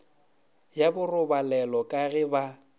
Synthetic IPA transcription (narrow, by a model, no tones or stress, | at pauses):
jabʊrʊbalɛlɔkʼaɣɪba